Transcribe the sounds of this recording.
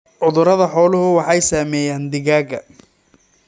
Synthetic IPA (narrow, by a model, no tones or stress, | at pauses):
ʕʊðʊɾɐðɐħɔːlʊɦʊwɑħɑjsaːmɛːjaːnd̪ɪɣaːɡɐ̰